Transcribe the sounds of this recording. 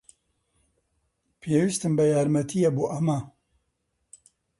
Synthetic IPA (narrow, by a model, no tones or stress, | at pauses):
pʰeːwist̪ɨmbɐjaːɾmɐt̪ʰijebuʔɐmɐ